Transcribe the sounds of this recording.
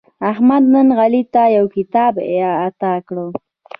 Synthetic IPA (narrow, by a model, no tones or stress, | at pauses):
ahmad̪nənɣalit̪ajawkɪt̪ɑbaːt̪akɽo